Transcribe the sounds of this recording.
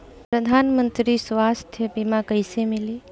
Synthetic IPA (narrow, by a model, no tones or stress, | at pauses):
pɾəd̪ʱaːnmənt̪ɾisʋaːst̪ʰjəbimãkəjsemɪli